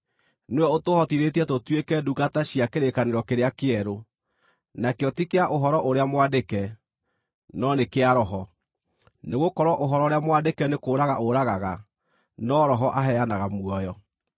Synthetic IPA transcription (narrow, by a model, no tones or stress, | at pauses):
nwɛotohɔtiɾetiɛtotwekɛdukataɕiakeɾekaneɾɔkeɾeakeɛɾo | nakeɔtikeaʔoɦɔɾɔʔoɾeamwadekɛ | nɔnekeaɾɔɦɔ | neɣokɔɾwɔʔoɦɔɾɔɾeamwadekɛnekoːɾaɣaʔoɾaɣaɣa | nɔɾɔɦɔʔaɦɛanaɣamwɔjɔ